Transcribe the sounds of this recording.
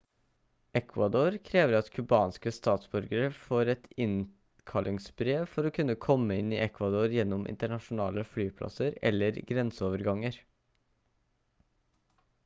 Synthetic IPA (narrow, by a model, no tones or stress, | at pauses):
ʔɛkʰʋɑd̪oːɾkʰɾeːʋəɾɑt̪kʰʉbɑːnskəst̪ɑːt̪sbʉɾɡəɾəfoːɾɛt̪ɪn | kʰɑlʔɪŋsbɾeːʋfɔɾoːkʰʉnːəkʰɔmːəɪniːʔɛkʰʋɑd̪oːɾjɛnːɔmʔɪ̰nt̪əɳɑʃʊnɑːləflyːpʰlɑ̰səɾɛ̰lːəɾɡɾɛnsəoːʋəɾɡɑŋːəɾ